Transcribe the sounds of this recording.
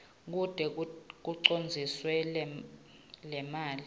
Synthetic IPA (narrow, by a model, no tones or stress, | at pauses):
k̬ud̥ʱɛk̬uǀond͡zʱiswɛ | lɛmaːli